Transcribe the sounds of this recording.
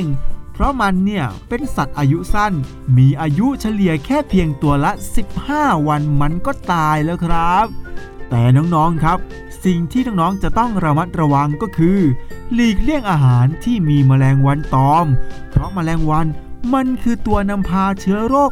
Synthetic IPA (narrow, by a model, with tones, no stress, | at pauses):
ŋpʰɾɔ˦˥ma˧nːi˥˩ɐpe˧nsa˨˩t̪̚ʔaː˧ju˦˥sa˥˩n | miː˧ʔaː˧ju˦˥t͡ɕʰa˧li˨˩əkʰɛː˥˩pʰi˧əŋt̪u˧ɐla˦˥si˨˩p̚haː˥˩wa˧nma˧nkɔː˥˩t̪aː˧jlɛː˦˥˩wkʰɾa˦˥p̚t̪ɛː˨˩nɔː˦˥ŋnɔː˦˥ŋkʰɾa˦˥p̚ | si˨˩ŋt̪ʰiː˥˩nɔː˦˥ŋnɔː˦˥ŋt͡ɕa˨˩ʔt̪ɔ˥˩ŋɾa˧ma˦˥t̪̚ɾa˧wa˧ŋkɔː˥˩kʰɯː˧liː˨˩k̚li˥˩əŋʔaː˧ɦaː˩˦nt̪ʰiː˥˩miː˧maː˧lɛː˧ŋwa˧nt̪ɔː˧mpʰɾɔ˦˥maː˧lɛː˧ŋwa˧nma˧nkʰɯː˧t̪u˧ɐna˧mpʰaː˧t͡ɕʰɯ˦˥ɐɾoː˥˩k̚